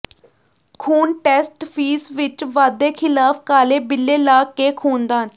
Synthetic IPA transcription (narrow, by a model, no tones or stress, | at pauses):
kʰuːnʈɛːsʈpʰiːsʋɪt͡ʃʋaːd̪eːkʰɪlaːfkaːleːbɪlːeːlaːkeːkʰuːnd̪aːən